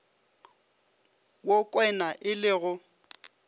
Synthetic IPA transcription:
wokʼwɛnaʔɪlɪɣʊ

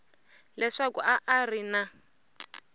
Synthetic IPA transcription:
lɛʂakuʔaʔːrina

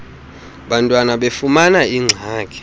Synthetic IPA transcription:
ɓantʼwanaɓefumanaiŋ͡ǀʱaːkʰʼɛ̥

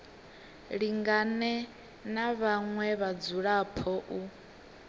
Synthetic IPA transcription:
ɺiŋɡanɛ | naβaŋwɛβad͡zuɺapʰɔʔu

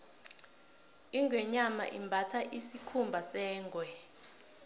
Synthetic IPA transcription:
iŋɡwɛɲama̰ʔḭmbʱatʰaʔisikʰumbʱasɛːŋɡʱwɛ

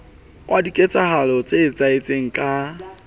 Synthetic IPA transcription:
kʼwʔadikʼet͡sʼahalɔt͡sʼeːt͡sʼaɪt͡sʼeŋ̩kʼa

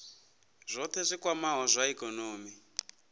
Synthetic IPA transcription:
ʐʷɔt̪ʰɛzʷikwamaɦɔzʷaikɔnoːmi

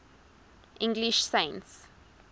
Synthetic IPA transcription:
ʔĩŋɡliʃsẽɪ̃nts

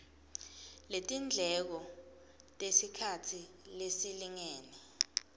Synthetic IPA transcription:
letʼind͡ɮʱɛk̬ɔ | tʼesikʰatʰilesiliŋeːni

